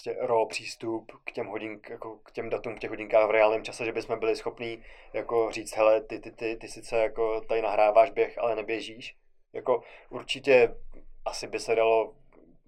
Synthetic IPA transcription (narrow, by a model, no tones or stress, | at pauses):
scɛɾopr̝̥iːst̪upkcɛmɦoɟɪŋjakokcɛmdat̪uːmfkcɛxɦoɟɪŋkaːxvɾɛalnɪmt͡ʃasɛʒɛbɪsmɛbɪlɪsxo̞pniːjako̞r̝iːt͡st̪ɦɛlɛt̪ɪt̪ɪt̪ɪt̪ɪsɪt͡sɛjako̞t̪adɪnaɦɾaːvaːʒbjɛxʔa̰lɛnɛbjɛʒiːʃ | jako̞ʔuɾt͡ʃɪcɛʔasɪbɪsɛdalo̞